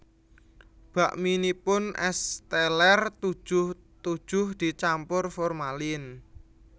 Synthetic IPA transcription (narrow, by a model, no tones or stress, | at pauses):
b̥ä̤ʔminipʊnʔɛst̪ɛlɛrt̪u̥ʒ̥ʊh | t̪u̥ʒ̥ʊhd̪̥i̤t͡ʃampʊrfɔrmalɪn